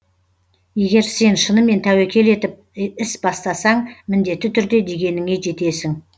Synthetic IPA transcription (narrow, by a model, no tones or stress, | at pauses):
je̞ɡʲe̞ɾse̞nʃənəme̞nt̪ʰæwekʲʰe̞le̞t̪ɪp̚ɪsbɑst̪ɑsɑɴmɪnd̪e̞t̪ːɪt̪ʰʏɾd̪e̞d̪e̞ɡʲe̞nɪŋe̞ʒe̞t̪e̞sɪŋ